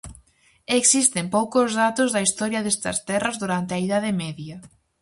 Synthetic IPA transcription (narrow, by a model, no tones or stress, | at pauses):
eksist̪empowkʊzðat̪ʊzðɐist̪ɔɾjɐðest̪ɐ̰st̪ɛrɐzðuɾant̪eɐiðað̞ɪmɛðjɐ